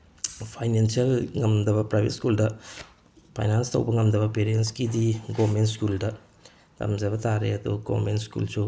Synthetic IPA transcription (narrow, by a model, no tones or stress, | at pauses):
pʰajnensiɐlŋɐmd̪ɐβɐpɾajbʱḛtskuldɐ | pʰa̰jnanstɐ̰wbɐŋɐmd̪ɐbɐpeɾienskidiɡomentskuldɐ | t̪ʰɐ̰mzɐbɐtaɾeɐd̪ṵɡo̰mentskṵlsu